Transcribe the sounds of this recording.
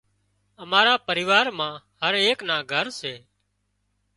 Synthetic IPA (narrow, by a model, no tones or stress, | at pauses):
əmaːɾaːpəɾɪːʋaːɾmãː | həɾeːknaːɡʱəɾseː